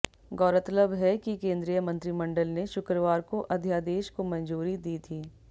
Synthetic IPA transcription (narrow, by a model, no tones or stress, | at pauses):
ɡɔːɾət̪ələbɦɛkikẽːnd̪ɾijəmɐ̃nt̪ɾimɐ̃ɳɖəlneʃʊkɾəʋaːɾkoʔɐd̪ʱjaːd̪eːʃkomɐ̃nd͡ʒuːɾid̪iːt̪ʰiː